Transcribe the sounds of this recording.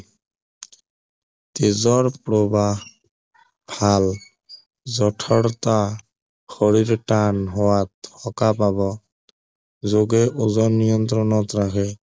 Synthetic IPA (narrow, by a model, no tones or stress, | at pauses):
t̪ezɔɹpɾoba | bʱal | zɔʈʰɔɽt̪a | xɔɹiɾʈanɦɔwat̪hɔkapabɔ | zoɡeʔozɔnijɔnt̪ɾɔnɔt̪ɾakʰɛ